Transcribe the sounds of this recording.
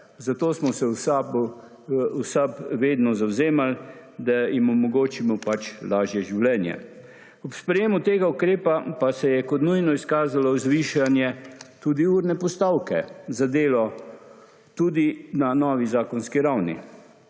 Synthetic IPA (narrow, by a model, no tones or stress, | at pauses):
zat̪oːsmɔsɛwsabɔ | wsapʋeːd̪nɔzawzeːmald̪ajimɔmɔɡoːt͡ʃimɔpat͡ʃlaːʒjɛʒiwlɛːnjɛ̰ | ɔpspɾɛjeːmut̪eːɡaukɾeːpapasɛjɛkɔt̪nujnɔiskaːzalɔzʋiːʃanjɛt̪uːd̪iuːɾnɛpɔst̪aːwkɛzad̪eːlɔ | t̪uːd̪inanɔːʋizaːkɔnskiɾawnḭ